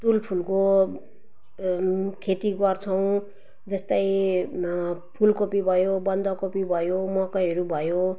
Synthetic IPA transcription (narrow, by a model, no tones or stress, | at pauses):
d̪ulpʰulko | kʰet̪iɡʌrt͡sʰʌw̃ | d͡zʌst̪ʌj | pʰulkopibʱʌjobʌnd̪ʌkopibʱʌjomʌkʌjɦʌɾubʱʌjo